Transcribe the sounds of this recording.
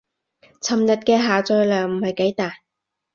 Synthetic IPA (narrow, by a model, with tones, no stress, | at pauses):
t͡sʰɐ˨mjɐ˨t̚kɛː˧ɦaː˨t͡sɔː˧jlœː˨˩ŋm̩˨˩hɐ˨˩jke˨˥jt̪aː˨j